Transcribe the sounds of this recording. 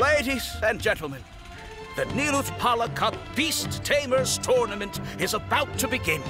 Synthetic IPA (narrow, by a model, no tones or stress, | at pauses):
leɪɾiz̥ɨ̃nd͡ʒɛ̃ntl̩ˠmɨ̃n | ðɨtⁿnilˠətpʰɑlˠəkʰɑp̚b̥isttʰẽɪ̃mə˞z̥tʰɔɹnɨmɨ̃ntɨzəbaʊtʰɨbɨɡɪ̃n